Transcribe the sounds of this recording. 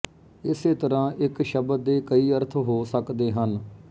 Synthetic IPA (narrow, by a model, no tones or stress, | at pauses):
ɪseːt̪əɾãːʔɪkʃəbəd̪eːkəiːəɾt̪ʰɦoːsəkd̪eːɦən